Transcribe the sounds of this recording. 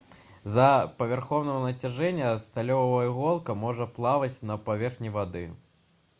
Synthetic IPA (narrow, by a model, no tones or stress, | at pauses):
zɐpɐvʲarxɔwnɐɐnɐt͡sʲaʐɛnʲːɐst̪alʲɔvɐjɐɣɔlˠkɐmɔʐɐplˠavɐt͡sʲnɐpavʲɛrxnʲivad̪ɨ